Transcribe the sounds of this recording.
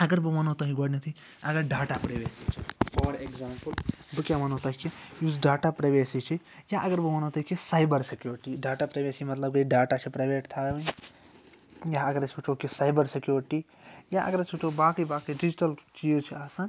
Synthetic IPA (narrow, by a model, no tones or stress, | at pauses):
ɐɡəɾbɨmɐnot̪ɐɦiɡoɽɖnet̪ʰi | ɐɡəɾɖaːʈapɾɐʋeːsit͡ʃʰifɔːɾekzaːmpəlbɨkjamɐnot̪ɐkijuːzɖaːʈapɾɐjʋeːsit͡ʃʰi | jaʔɐɡəɾbɨmɐnot̪ɐkisajbəɾsekjuːɾʈiɖaːʈapɾɐjʋeːsimɐt̪lɐb̚kɐɖaːʈat͡ʃʰipɾɐjʋeːʈt̪ʰaːʋɐ | jaɐɡəɾɐsʰbit͡ʃʰokisaːjbəɾsekjoːɾʈi | jaʔɐ̰ɡəɾɐsʰbit͡ʃʰobaːkibaːkiɖid͡ʒiʈɐlt͡ʃiːzt͡ʃʰiaːsan